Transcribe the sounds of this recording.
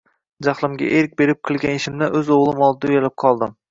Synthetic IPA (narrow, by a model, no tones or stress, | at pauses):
d͡ʒaχlˠɪmɡʲa̰ʔeɾk̚ʲbe̞ɾɪp̚qʲʰɨlˠɡʲaneʃɪmd̪aʔɵzoʁlˠɪmɒlˠɪd̪ajalɪp̚qʰɒlˠd̪ɪm